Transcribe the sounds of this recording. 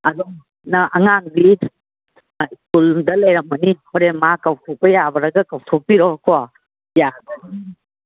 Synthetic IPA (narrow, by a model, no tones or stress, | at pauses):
ɐdɔŋ | nɐʔɐŋaŋbi | skuldɐlɐjɾɐm̚mɐnihoɾemakawtʰopɐjabɐɾɐɡɐkawtʰopiɾɔkʰɔwa | jaɡɐn